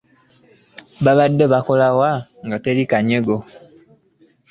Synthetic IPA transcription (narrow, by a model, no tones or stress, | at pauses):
baβadəbakolawaŋɡəteɾikaɲəɡo